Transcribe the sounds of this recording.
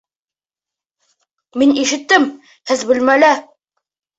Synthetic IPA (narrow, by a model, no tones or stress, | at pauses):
miniʃɘ̆t̪ːɘm | hɘzbɘ̆lmælæ